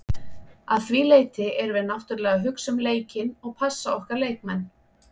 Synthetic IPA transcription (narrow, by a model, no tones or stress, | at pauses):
aðθviːleːjt̪ɪɛɾvɛðnaht̪ʏɾlɛːɣaɦʏksʏmleːjcɪnɔɣpʰasːaɔhkaɾleːjk̚mɛnː